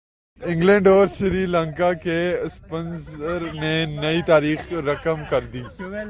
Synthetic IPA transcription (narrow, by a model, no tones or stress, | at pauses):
ɪ̃ŋɡlẽːɳɖɔːɾsɪɾiːlə̃ŋkakespənzəɾnẽnɐit̪aːɾiːxɾɐkəmkɐɾd̪iː